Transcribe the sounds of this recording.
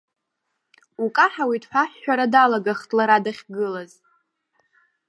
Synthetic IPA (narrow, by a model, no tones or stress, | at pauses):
ukʼaħawidħʷᶣaħːᶣaɾadalaɡaχtʼlaɾadaχʲɡɨlaz